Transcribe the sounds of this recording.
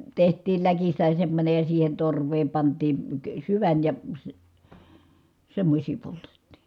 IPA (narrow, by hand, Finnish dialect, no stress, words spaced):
tehtˑiːl lækistæ semːonʲej jɑ siːhen torʋˑeːm pɑntˑiː ə syʋæn jɑ sĭ semːosʲiː poltetːi̥